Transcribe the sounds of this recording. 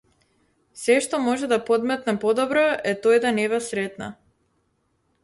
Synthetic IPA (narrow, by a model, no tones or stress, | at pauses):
sɛʃt̪ɔmɔʒɛd̪apɔd̪mɛt̪napɔd̪ɔbɾɔɛt̪ɔjd̪anɛβasɾɛt̪na̰